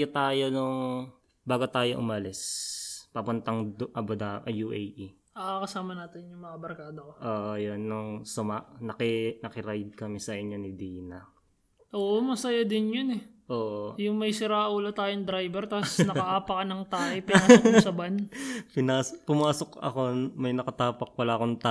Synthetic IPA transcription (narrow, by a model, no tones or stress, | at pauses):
ɐt̪aːjo̞nʊŋ | baːɡot̪aːjoʔʊmɐlɪspɐpʊnt̪ɐŋd̪ʔɐbod̪aʔɐjuʔeji | ɐakɐsaːmɐnaːt̪ɪnjʊŋmɐŋabɐɾkaːd̪okoʔoːʔojonːʊŋsʊmaʔnɐkɪnɐkɪɾajd̪̚kɐmɛsɐʔɪɲjo̞nɪd̪iːnɐ | ʔoːʔomɐsɐjad̪ɪnjonɛʔoːʔojʊŋmɐjsɪɾaːʔʔuːlɐt̪aːjoŋd̪ɾajbɛɾt̪asnɐkɐʔaːpɐkɐnɐŋt̪aːʔɐjpɪasɐbanpɪnaːspʊmaːsokɐ̰ko̞mɐjnɐkɐt̪aːpɐk̚wɐlaːʔɐkoŋt̪a